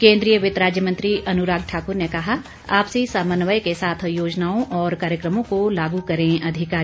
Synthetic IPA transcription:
kẽːnd̪ɾijəʋɪt̪ɾaːd͡ʒjəmɐ̃nt̪ɾiʔɐnʊɾaːɡ̚ʈʰaːkʊɾnekɐɦa | aːpsisaːmənʋəjkesaːt̪ʰjoːd͡ʒnaːõʔɔːɾkaːɾjəkɾəmõkolaːɡukɐɾẽʔɐd̪ʱɪkaː

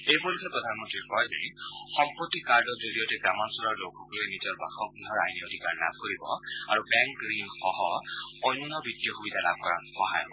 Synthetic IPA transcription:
ejbɔɹlukɛpɹɔdʱanmɔntɹiɹkɔɹazɛ | xɔmpɹɔtːikaɹdɔkzoɹijɔtɛɡɹamansulaɹlokʰːɔkɔlɛnitiɔɹba̰xɔk̚diɦɔɹajniodʱikaɹla̰b̚koɹibɔ | a̰ɹubɛŋkɡɹinxɔɦɔ | ɔjnunɔbitːijɔxubidʱala̰b̚ʱkɔɹa̰nxɔɦa̰jɔb

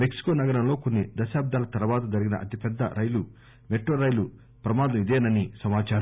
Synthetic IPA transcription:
meksi̥koːnɐɡɐɾɐmlo̞ːkonːid̪ɐʃaːb̚d̪ʱaːlɐt̪ɐɾɐʋaːt̪ɐd͡ʒɐɾiɡinɐ̰ʔɐ̰t̪ipɛd̪ːɐ̰ɾʔɐjlu | meʈːoːɾɐjlu | pɾɐmaːd̪ɐmid̪eːnɐnisɐmaːt͡ʃaːɾɐm

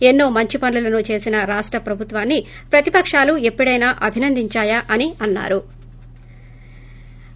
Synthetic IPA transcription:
enːo̞ːmɐɲt͡ʃipɐnlulɐnut͡ʃe̞ːsinɐɾaːʂʈɾɐpɾɐbʱut̪ʋaːnːi | pɾɐt̪ipɐkʂaːluepːɐɽɐjnaːʔɐbʱinɐnd̪ʱiɲt͡ʃaːjaʔɐniɐnːa̰ːɾu

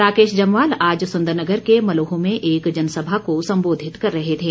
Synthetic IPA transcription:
ɾaːkeːʃd͡ʒɐmʋaːlaːd͡ʒsʊ̃nd̪əɾnəɡəɾkemɐloːɦõmẽʔeːkd͡ʒɐnsəbʱakosɐ̃mboːd̪ʱɪt̪kɐɾːɐɦet̪ʰeː

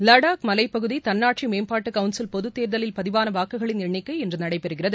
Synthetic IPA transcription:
lɐɽaːkmɐlɐɪpːɐɣɯðit̪ɐnːaːʈʂimeːmpaːʈːɯkɐʋʊnsɪlpɔðɯt̪ːeːɾðɐlɪlpɐðɪʋaːnɐʋaːkːɯɣɐɭɪnɪɳɪkːɐɪɛndrɯnɐɽɐɪpɛɾɯɣɪrɐðɯ

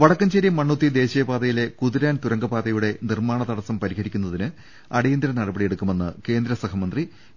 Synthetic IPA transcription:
ʋɐɽɐkːɐmt͡ɕeɾjɐmːɐɳːut̪ːid̪e̞ːɕɐjɐbaːðɐjile̞kuðiɾaːnt̪uɾɐŋɡɐbaːðɐjuɽe̞nirmaːɳɐt̪ɐɽɐsɐmpɐɾiɦɐɾikʲːunːɐðinɨ | ɐɽejind̪ɾɐnɐɽɐbɐɽijeɽukːume̞nːɨ̰ke̞ːnd̪ɾɐsɐkɐmɐnd̪ri

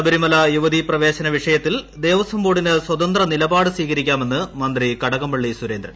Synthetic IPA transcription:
ɐbɐɾimɐlɐjuʋɐd̪iprɐʋe̞ːɕɐnɐʋiʂɐjɐt̪ːild̪e̞ːʋɐsɐmboːɽinɨswɐd̪ɐnd̪rɐnilɐbaːɽɨsʋiːɣɐɾikʲːaːme̞nːɨmɐnd̪rikɐɽɐɣɐmbɐɭːisuɾeːnd̪ɾɐ̰

